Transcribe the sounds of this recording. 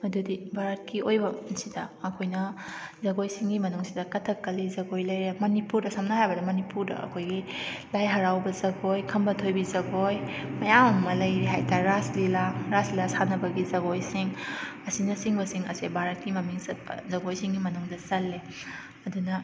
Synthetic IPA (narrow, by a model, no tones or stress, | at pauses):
mɐdudibʱaɾɐt̚kiojbɐsidɐːkʰojnɐzɐɡojsiŋɡimɐnuŋsidɐkɐtʰɐkːɐlizɐɡojlɐjɾemɐnipuɾdɐsɐmnɐɦajbɐdɐmɐnipuɾdɐ̰ʔɐ̰kʰojɡilajɦɐɾawbɐzɐɡojkʰɐmbɐtʰojbizɐɡojmɐjamɐmɐlɐjɾiɦajtʰaɾaslilaɾaslilasanɐbɐɡizɐɡojsiŋɐsinɐsiŋbɐsiŋɐ̰sebʱaɾɐt̚kimɐmiŋsɐtbɐ̰zɐɡojsiŋɡimɐnuŋdɐsɐlːe | ɐdunɐ